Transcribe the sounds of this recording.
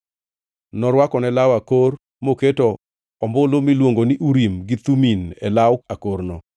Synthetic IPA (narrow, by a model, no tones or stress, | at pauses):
nɔɾwakɔnɛlawakor | moketɔ | ɔmbolomilwoŋɡonɪʔuɾimɡɪt̪uminɛ̰lawakoɾnɔ